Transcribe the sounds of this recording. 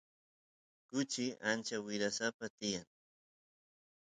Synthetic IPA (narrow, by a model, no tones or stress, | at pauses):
kʊt͡ʃɪʔant͡ʃawɪɾasapat̪ɪjaŋ